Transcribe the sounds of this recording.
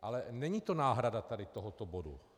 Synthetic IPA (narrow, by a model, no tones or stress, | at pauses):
ʔalɛnɛɲiːt̪o̞naːɦɾadat̪adɪt̪oɦot̪obodṵ